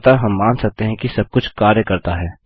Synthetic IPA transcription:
t̪aɦɐmːaːnsɐk̚t̪eɦɛ̃kisɐb̚kʊt͡ʃʰkaːɾjəkɐɾt̪aɦɛː

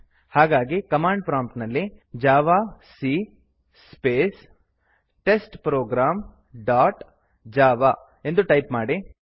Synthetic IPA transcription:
haːɡaːɡikɐmaːɳɖ̚pɾaːmʈnɐlːid͡ʒaːʋaːsi | speːs | ʈesʈpɾoːɡɾaːm | ɖaːʈ | d͡ʒaːʋaː | e̞nd̪uʈɐjpmaːɽi

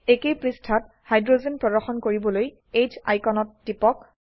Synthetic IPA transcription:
ekejpɹistʰat̚ | hajdɹozenpɹɔdɔɹxɔnkoɹibɔloj | ejd͡ʒa̰jkɔnɔtːipɔk

